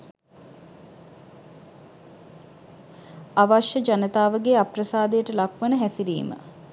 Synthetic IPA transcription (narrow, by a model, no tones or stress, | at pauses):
aʋaʃjəd͡ʒanət̪aːʋəɡeːaprəsaːd̪ejəʈəlakʋənəɦæsiɾḭːmə̰